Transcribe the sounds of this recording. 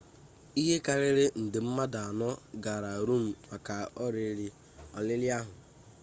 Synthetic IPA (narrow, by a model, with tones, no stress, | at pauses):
i˦ɦe˦ka˨ɾɪ˦ɾɪ˦n̩˨dɪ˨m̩˦ma˦da˨a˨nɔ˦ɡa˨ɾa˨ɾu˦m̩˨ma˨ka˨ɔ˦ɾe˨˦li˦ | ɔ˨lɪ˦lɪ˦a˦ɦʊ˨